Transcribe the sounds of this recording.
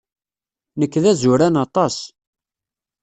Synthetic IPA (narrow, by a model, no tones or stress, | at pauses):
nəkːðæzʊɾænɑt̪ˤɑs